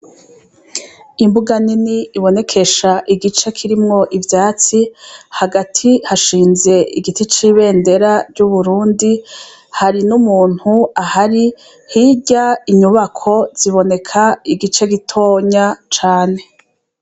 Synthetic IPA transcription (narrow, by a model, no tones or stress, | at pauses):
imbuɡaniniiβo̞ne̞kʰe̞ʃaʔiɡit͡ʃe̞kʰiɾimŋo̞ʔivjaːt͡sihaɡatʰihaʃiːnze̞ʔiɡitit͡ʃiːβe̞ːnde̞ɾaɾɟuβuɾuːndi | haɾinumuːn̥huahaɾi | hiɟaiɲuβakʰo̞z̥iβo̞ne̞kʰaiɡit͡ʃeɡitʰo̞ːɲat͡ʃaːne̞